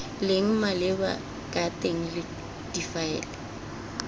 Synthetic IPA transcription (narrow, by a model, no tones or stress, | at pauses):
lɪŋ̩malɪba̰ | kʼatʼeŋ̩lɪ | d̥ifaɛ̰ːla